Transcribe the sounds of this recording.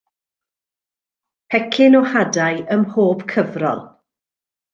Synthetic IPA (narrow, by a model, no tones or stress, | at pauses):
pʰɛkʰɪnɔhadajʔəmhoːb̥kʰəvrɔ̰lˠ